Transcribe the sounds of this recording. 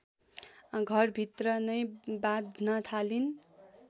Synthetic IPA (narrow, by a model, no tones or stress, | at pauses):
ɡʱʌrbʱit̪rʌnʌjbad̪ʱnʌt̪ʰalin